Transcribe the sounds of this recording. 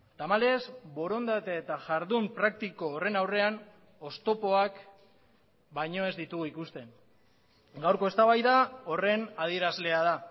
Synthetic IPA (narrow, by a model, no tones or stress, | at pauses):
t̪amale̞zbo̞ɾo̞nd̪at̪eːt̪aʝaɾðumpɾak̚t̪iko̞ːre̞nawre̞an | o̞st̪o̞po̞ak | bajɲo̞e̞zd̪it̪uɣuikust̪e̞n | ɡawɾko̞e̞st̪aβajðao̞re̞nað̞ie̞ɾazle̞að̞a